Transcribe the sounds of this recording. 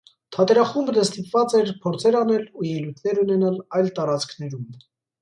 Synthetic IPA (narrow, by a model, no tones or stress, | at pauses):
t̪ʰɑt̪ɛɾɑχumbnəst̪ipvɑt͡sɛɾpʰɔɾt͡sʰɛɾɑnɛlujɛlujt̪ʰnɛɾunɛnɑlɑjlt̪ɑɾɑt͡skʰnɛɾum